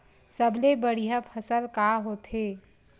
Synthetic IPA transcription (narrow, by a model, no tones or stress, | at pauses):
səblebəɽijɦapʰəsəlkaːɦoːt̪ɦeː